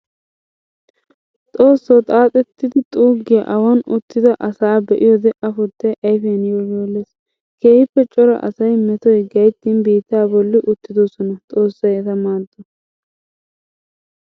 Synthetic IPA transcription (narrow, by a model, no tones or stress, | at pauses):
t̪ʼo̞ːsːɔt̪ʼaːt̪ʼɛt̪ːɪd̪ɪt̪ʼuːɡːɪjɐʔɐwɐnʊt̪ːɪd̪ɐʔɐsaːbɛʔɪjɔd̪ɛʔɐfʊd̪ːɛʔɐjfɛɐnjojoːlːes | keːhɪpːɛt͡ʃʼɔɾɐ̰ʔɐ̰sɐjmɛt̪ɔjɡɐjt̪ːiːnbiːt̪ːaːbɔlːɪʔʊt̪ːɪd̪ɔsɔnɐt̪ʼo̞ːsːɐjɛt̪ɐmaːd̪ːɔ